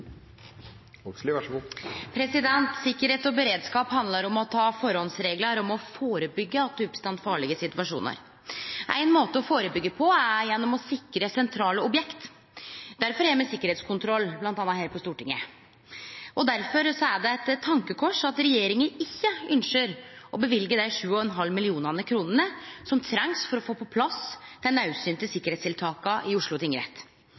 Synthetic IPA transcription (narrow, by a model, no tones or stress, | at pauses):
pʰɾɛsɪd̪ɛnt̪sɪkːəɾheːt̪ɔbəɾeːd̪skɑːphɑnd̪lɑɾɔmɔt̪ʰɑːfɔɾhɔnsɾeːɡləɾɔmɔfoːɾəbʏɡːəɑt̪̚d̪ʉʉpst̪ɑnt̪fɑːɭɪɡəsɪt̪ʉʋɑʂṵːnə̰ɾ | ʔæ̰ɪnmoːt̪əɔfoːɾəbʏɡːəpʰɔæɾjɛnːɔmɔsɪkːɾəsɛnt̪ʰɾɑːləɔbjɛkt̪ | d̪̥æɾfɔɾjæɪmɛsɪkːəɾeːt̪skʰʊnt̪ʰɾɔlːblɑnt̪ɑnːɑheːɾpʰɔst̪uːʈɪŋːə̰ | ɔd̪æɾfɔɾsɔæɖɛɛt̪t̪ʰːɑŋkəkʰɔʂɑt̪ɾɛjeːɾɪŋənɪçːəʔʏnʂəɾɔbəʋɪlɡəd̪æɪʂʉːɔɛnɦɑlmɪlɪuːnɑnəkʰɾuːnənəsɔmt̪ʰɾɛŋsfɔɾɔfoːpʰɔpʰlɑsd̪̥ɛnɑʉsyːnt̪ɪsɪkːəɾeːtst̪ɪlt̪ʰɑːkɑʔɪʊʂɭʊt̪ʰɪŋəɾɛ̰t̪